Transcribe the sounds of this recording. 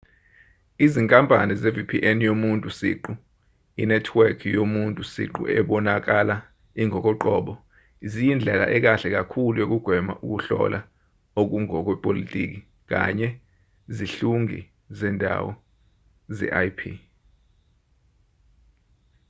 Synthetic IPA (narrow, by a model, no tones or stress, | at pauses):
iziŋkʼampʼanizevipʰiʔɛnjomuntʼusḭǃu | inɛtʰwɛrkʰijomuntʼusḭǃṵɛ̰ɓɔnak̬ala | iŋɔk̬ʼɔǃɔɓɔ | izijind͡ɮʱɛla̰ʔɛk̬aɬɛk̬akʰulujok̬uɡ̥ʱwɛma̰ʔuk̬uɬɔ̰lʔa | ok̬uŋɔk̬wɛpʼolitʼḭk̬i | k̬a̰ɲɛ | ziɬuŋḭ | zɛndʱa̰wɔ | zɛ̰ʔajpʰi